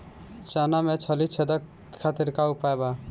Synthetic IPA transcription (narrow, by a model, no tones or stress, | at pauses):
t͡ʃanamẽt͡ʃʰəlit͡ʃʰed̪ə | at̪iɾkaʊpaːjba